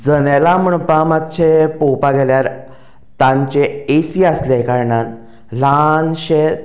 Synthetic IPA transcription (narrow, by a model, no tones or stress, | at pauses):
d͡zənelaməɳpamat̪ːt͡ɕʰepowpaɡɛljaɾ | t̪ãɲt͡ɕeesiəslekaɾɳan | lanɕe